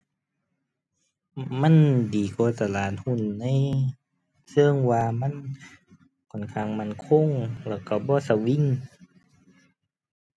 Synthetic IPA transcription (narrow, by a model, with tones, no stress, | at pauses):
ma˧˥˨ndiː˨˦koː˧˨t̪a˧˨laː˨˩t̪̚hu˧˥˨nːa˧˥˨j | sɤ˧˥˨ŋwaː˧ma˧˥˨n | kʰɔ˨˩˨nkʰaː˧˨ŋma˧˥˨nkʰo˧˥˨ŋlɛː˧˩ka˧˩bɔː˧˦sa˧˩wi˧˨n